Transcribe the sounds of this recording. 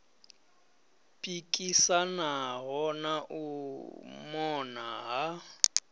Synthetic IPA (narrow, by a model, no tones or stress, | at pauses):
pʼikʼisanaɣɔnaʔʊ | mɔnaɦa